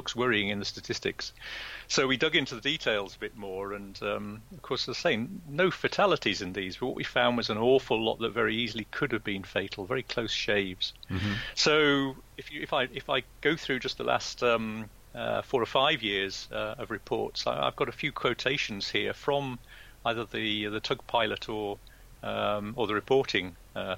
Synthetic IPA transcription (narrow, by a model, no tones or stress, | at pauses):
b̥ʊkswɜɹiɪ̃ŋɨ̃nðəstɨtʰɪstɨ̰kssoʊwidʌɡɪ̃ntʉðəditʰeɪlˠzəbɪt̚mɔːɹɨ̃nʌ̃məv̥kʰɔɹsaɪ̥seɪɪ̃ŋnoʊfɨtʰælˠətizɨ̃nðizb̥ʌʔ̚wʌʔwifãʊ̃ndwʌzə̃nɔɹfəl̩ˠlɔ̰ʔ̪̚ðətvɛɹiizl̩ˠikʰʊdɨvbĩnfeɪtʰˡl̩ˠvɛɹikʰl̥oʊsʃeɪvz̥soʊɪfjɨɪfaɪɪfaɪɡ̥oʊθɹʉd͡ʒʌst̪̚ðəlʔæ̰stʌ̃m | ʌ̰fɔːɹə˞faɪvjɪɹz̥ʌəvɹɨpʰɔ̰ɹtsa̰ɪa̰ɪvɡɑɾəfjʉkʰw̥oʊtʰeɪʃn̩z̥hiəɹfɹə̃m | aɪðəðɨðɨtʰʌɡ̚pʰaɪlˠətʰə˞ | ʌ̃mə˞ðəɹɨpʰɔɹɾʰɪ̃ŋ | ʌ